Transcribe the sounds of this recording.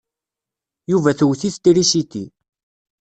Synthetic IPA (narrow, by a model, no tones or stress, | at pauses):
juvæθwθiθt̪iɾiʃit̪ḭ